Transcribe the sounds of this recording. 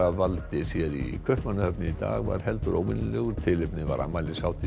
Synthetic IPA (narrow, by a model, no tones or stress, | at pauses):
avalt̪ɪsjɛɾḭkʰvœhpmanːahœpnɪit̪a̰ːɣva̰ɾ̥ɦɛlt̪ʏɾoːwvɪnlɛɣʏɾt̪ʰɪlɪpnɪva̰ɾa̰malɪsaːwt̪ʰɪ